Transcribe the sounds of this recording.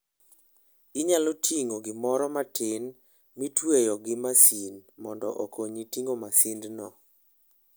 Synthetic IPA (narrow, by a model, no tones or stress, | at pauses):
iɲalotʰiŋoɡɪmɔɾɔmatʰɪn | mitwejɔɡɪmasinmɔndɔʔɔkoɲitiŋomasindnɔ